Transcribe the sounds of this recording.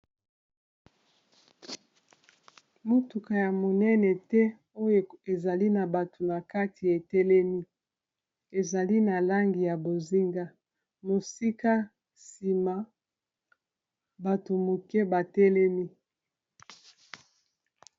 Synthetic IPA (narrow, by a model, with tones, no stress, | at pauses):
mo˦tu˨ka˨ja˨mo˨nɛ˦nɛ˨tɛ˦ | o˦jo˨e˨za˨li˦na˨ba˨tʰo˨na˨ka˦tʰi˨e˨tɛ˦lɛ˦mi˦ | e˨za˨li˦na˨la˦ŋɡi˨ja˨bo˨zi˦ŋɡa˦ | mo˨si˦ka˦ | si˨ma˨ | ba˨to˨mo˨kɛ˦ba˨tɛ˦lɛ˦mi˦